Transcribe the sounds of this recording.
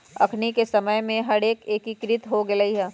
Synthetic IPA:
ɐ̰kʰnikesɐməjmẽɦɐɾeːkeːkikɾɪt̪ɦoɡelɐiɦɛː

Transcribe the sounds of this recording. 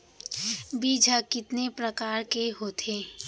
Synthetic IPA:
biːd͡ʒʱakɪt̪nepɾəkaːɾkeɦoːt̪ʰeː

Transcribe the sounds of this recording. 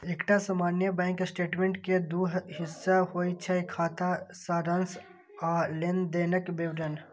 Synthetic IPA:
eːkʈasɐmaːnjəbɛ̃ːŋksʈeːʈmẽːɳʈked̪uɦɦɪsːahoːit͡ʃʰaikʰaːt̪asaːɾans | aːlend̪eːnəkbeʋɾən

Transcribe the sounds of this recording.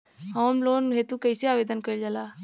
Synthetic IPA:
ɦoːmloːnɦet̪ukəɪseaːʋeːd̪ənkəld͡ʒəlaː

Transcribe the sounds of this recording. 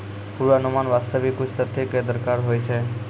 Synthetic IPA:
puɾanomanʋast̪əʋikut͡ʃʰt̪ət̪ʰːjeked̪əɾkaɾɦojt͡ʃʰe

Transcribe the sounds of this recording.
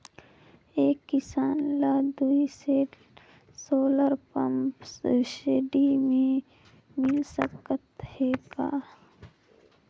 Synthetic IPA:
eːkːɪsaːnlaːd̪uiseːʈ | soːləɾpɐmpʃeːɖimẽ | mɪlsəkət̪heːka̰ː

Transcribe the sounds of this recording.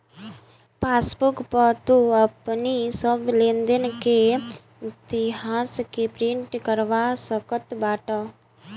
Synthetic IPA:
paːsbukpət̪uəpnisəblend̪ənke | t̪iɦaskepɾɪɳʈkəɾʋasəkət̪baːʈa

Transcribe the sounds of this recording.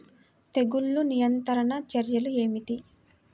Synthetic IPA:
t̪e̞ɡuɭːunijɐnt̪ɐɾɐnɐt͡ʃɐɾjɐlue̞ːmiʈi

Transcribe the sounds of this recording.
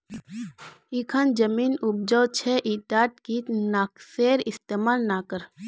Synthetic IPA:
iːkʰand͡ʒəmiːnʊb̚d͡ʒowt͡ʃʰɛʔit̪aːʈkiːnaːkseːɾɪst̪eːmaːlnaːkəɾ

